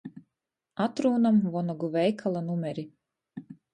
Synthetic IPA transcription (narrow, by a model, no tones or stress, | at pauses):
at̪ɾuːnamvɔnɔɡuvɛjkʰalˠanumʲɛɾʲi